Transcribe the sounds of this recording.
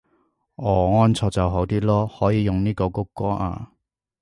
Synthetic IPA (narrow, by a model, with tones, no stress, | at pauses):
ɔː˨˩ŋɔː˥nt͡sʰɔː˧k̚t͡sɐ˨wɦo˨˥wt̪iː˥lɔː˥hɔː˨˥jiː˨˧jʊ˨ŋniː˥ko˧kʊ˥kːɔː˥ʔa̰ː˧